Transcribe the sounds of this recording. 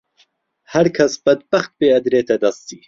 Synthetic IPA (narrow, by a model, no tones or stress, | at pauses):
hɐɾkʰɐsb̥ɐd̪̚bɐxt̪̚beːɐd̪ɾeːt̪ʰɐd̪ɐst̪iː